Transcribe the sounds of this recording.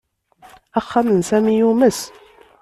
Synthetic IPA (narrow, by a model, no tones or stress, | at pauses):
æχːæmənsæmijuməs